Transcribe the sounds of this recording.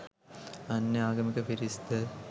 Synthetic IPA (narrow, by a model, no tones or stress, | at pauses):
ɐnːeaːɡɐmikɐpiɾist̪ə